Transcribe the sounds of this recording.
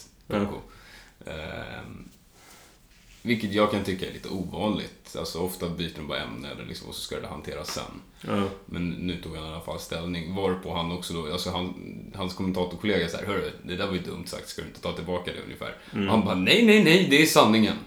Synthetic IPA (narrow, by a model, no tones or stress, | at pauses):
kːʊ̰ | vɪlkːət̪jɑːɡkʰant̪ʰʏkːaɛ̰ɾliːt̪ə̰uːvɑːnlɪ̰t̪a̰lsɔɔft̪abyːt̪ənbɑ̰ɾɛ̰mnaɛ̰lːə̰ɾlɪksɔmva̰sɔ̥skad̪ɛha̰nt̪ʰeːɾasːɛ̰nː | mɛnːʉ̟ːt̪ʰuːɡhanalːafa̰lːst̪ɛlnɪŋvɑːɾpʰɔɦanːɔksɔd̪ɔalsɔɦanhanskʰɔmɛnt̪ʰɑːt̪ʊɾkʰʊleːɡasaæ̰ɾɦœːɖɵd̪ɛd̪æːɾvaɾjʏd̪ɵ̰mt̪sa̰k̚t̪skad̪ɵɪnət̪ʰɑːt̪ʰɪlbɑːkad̪ɛ̰ɵ̰njɪfæ̰ːɾɔhanbɑːnɛjnɛjnɛjd̪ɛːʂanːɪŋən